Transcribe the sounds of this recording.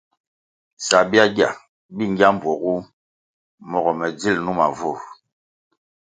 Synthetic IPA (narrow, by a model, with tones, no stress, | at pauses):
sa˨bi˦a˦ɡja̰˨ | bi˦˨ŋ˦ɡa˦m˨bwɔ˨ɣu˦ | mɔ˨ɣɔ˨mɛ˨d͡zi˦˨lnu˦ma˨vo˦˨